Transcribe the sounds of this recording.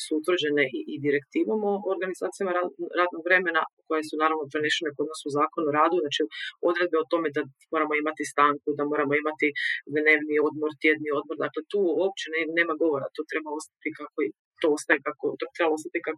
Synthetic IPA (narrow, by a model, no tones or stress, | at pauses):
suut̪ʋr̩d͡ʑeneʔiʔid̪iɾe̞kt̪iːʋamoʔoɾɡanizaːt̪ijamaɾaɾaːd̪no̞ɡʋɾe̞me̞na̰ko̞je̞sunaːɾaʋnopɾeneʃenekod̪nosuuzaːko̞nuɾaːd̪uznaːt͡ʃio̞d̪ɾe̞d̪̚beot̪o̞me̞d̪amo̞ɾamo̞imat̪ist̪aːŋkud̪amo̞ːɾamoimat̪id̪ne̞ːʋnio̞d̪mo̞ɾt̪jed̪nio̞d̪mo̞ɾd̪a̰kle̞t̪uːwop̚t͡ɕenene̞ːmaɡo̞ʋo̞ɾa̰t̪oːt̪ɾe̞bao̞st̪ḁt̪ikakoi | t̪oost̪ajekakot̪ot̪ɾebaost̪at̪ikak